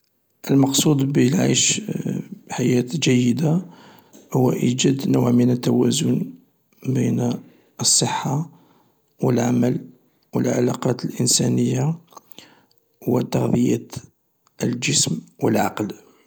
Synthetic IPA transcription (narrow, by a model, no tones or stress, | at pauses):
ʔəlmɑqsˤud̪bəlʕa̰jʃ | ħajæt̪d͡ʒæjːəd̪a | hʊwːʔid͡ʒæd̪nʊʕmənət̪ːæwæzʊn | bin | əsˤːəħːa | wəlʕaməl | wə̰lʕa̰lɑqɑt̪əlʔənsænəjːa | wət̪ːɑɣðˤijæ | ʔəld͡ʒəsmwəlʕɑ̰ql